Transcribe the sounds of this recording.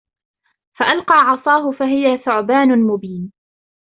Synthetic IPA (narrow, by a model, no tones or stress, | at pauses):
faʔalqɑːʕɑsˤɑːɦʊfaɦɪjaθʊʕbaːnʊmʊbiːn